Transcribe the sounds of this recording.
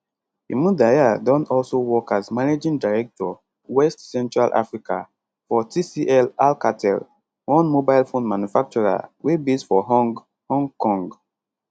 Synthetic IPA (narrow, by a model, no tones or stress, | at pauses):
ḭmũdajadɔ̃nɔlsowɔkʰazmaned͡ʒĩŋdaɹɛk̚tɔ | wɛstsɛ̃ntɹalʔa̰fɹikʰa̰ | fɔtʰisiʔɛlalkatʰɛ̰l | wɔ̃nmobajlfõnmanjufak̚t͡ʃɔɹa̰webisfɔɦɔŋɡ | hɔ̃ŋkɔ̃ŋɡ